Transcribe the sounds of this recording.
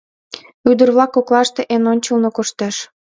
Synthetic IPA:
yd̪ə̆rβlɑkːoklɑʃt̪eʔenonʲt͡ɕəlnokoʃt̪eʃ

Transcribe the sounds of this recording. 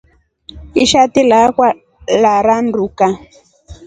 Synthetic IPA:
iʃat̪ilakwa | laɾanɾuka

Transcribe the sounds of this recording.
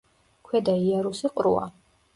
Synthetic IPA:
kʰwɛd̪aiaɾusiqʼɾṵa̰

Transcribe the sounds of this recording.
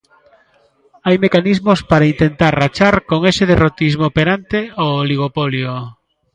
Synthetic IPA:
ajmekanizmospaɾaint̪ent̪aɾrat͡ʃaɾkoŋeseðerot̪izmopeɾant̪eoːliɣ̞opoljo

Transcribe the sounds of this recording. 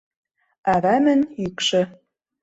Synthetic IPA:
ɑɾɑmɘ̆nykʃɘ̆

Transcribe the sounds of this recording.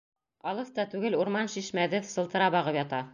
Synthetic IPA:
ɑlˠɤθt̪ɑt̪ʉɡɘluɾmɑnʃiʃmæðɘsɤ̆lˠt̪ɤ̆ɾɑbɑʁɤpjɑt̪ɑ

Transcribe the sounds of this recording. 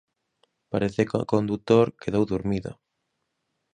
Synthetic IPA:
paɾeθeka̰kond̪ut̪oɾkeðowðuɾmiðo̰

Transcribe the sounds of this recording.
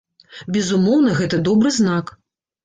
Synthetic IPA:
bʲɛzumɔwn̪ɐɣɛt̪ɐd̪ɔbɾɨznak

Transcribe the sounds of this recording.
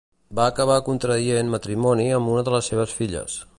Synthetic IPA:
baːkəβ̞akunt̪ɾəðienmət̪ɾimɔniəmbunəðələsːeβəsfiʎə̰s

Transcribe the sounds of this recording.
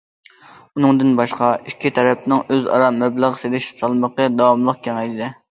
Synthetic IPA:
unɨŋd̪ɨnbɑʃqɑikʲʰːit̪ʰɛɾɛp̚nɪŋøzɑ̰ɾɑmɛblˠəʁəselɪʃsɑlˠməqəd̪ɑwɑmlˠəq̚kʲʰɛŋɛjd̪ɪd̪ɛ

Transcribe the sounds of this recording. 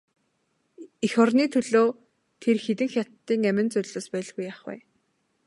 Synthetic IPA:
ixɔrniːt̪ʰɵɮoː | t̪ʰerxet̪̬ɘ̆ŋxʲat̪ːiːŋæmʲɪ̆nt͡sʊɮɮoːspæːɮɣujaχwæ̰ː

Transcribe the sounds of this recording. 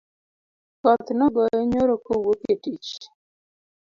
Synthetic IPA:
kɔt̪nɔɡɔeɲoɾokowopetit͡ʃ

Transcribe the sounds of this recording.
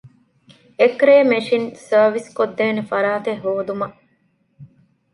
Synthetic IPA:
ekɾeːmeʂinsɐːʋiskod̪ːeːnefɐɾaːt̪eɦːoːd̪umɐʔ

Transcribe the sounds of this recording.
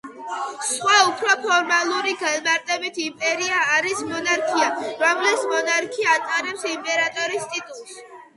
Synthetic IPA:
sχwaupʰɾɔpʰɔɾmalˠuɾiɡanmaɾt̪ʼɛbit̪ʰimpʼɛɾiaːɾismɔnaɾkʰiaɾɔmlɛsmɔnaɾkʰiaːt̪ʼaɾɛpsimpʼɛɾat̪ʼɔɾist̪ʼit̪ʼut̪ʼs

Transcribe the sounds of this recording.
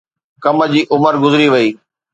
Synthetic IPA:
kɐməd͡ʑiːʔʊməɾɡʊzɾiʋɐiː

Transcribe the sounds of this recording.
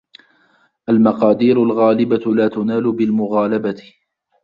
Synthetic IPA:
ʔalmɑqɑːd̪iːɾʊlɣaːlɪbalaːt̪ʊnaːlʊbɪlmʊɣaːlabat̪ɪ̥

